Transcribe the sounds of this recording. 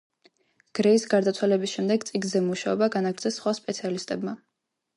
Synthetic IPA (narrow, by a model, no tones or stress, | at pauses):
ɡ̥ɾɛisɡaɾd̪at̪sʰwalɛbisʃɛmd̪ɛɡt̪sʼiɡ̪zɛmuʃaɔbaɡanaɡɾt̪ʰɛsːχwaspʼɛt̪sʰialist̪ʼɛbma